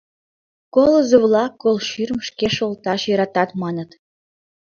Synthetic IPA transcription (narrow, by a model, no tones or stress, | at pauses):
kolə̆zoβlɑkːolʃyrmʃkeʃolt̪ɑʃjɤɾɑt̪ɑt̪mɑnə̆t̪